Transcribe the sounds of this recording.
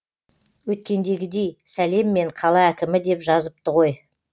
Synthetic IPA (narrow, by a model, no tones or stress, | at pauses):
wɵt̪̚kʲe̞nd̪e̞ɡʲɪd̪e̞jsæle̞mːe̞ɴqʰɑlˠɑækʲɪmɪd̪e̞pʒɑzəp̚t̪əʁo̞j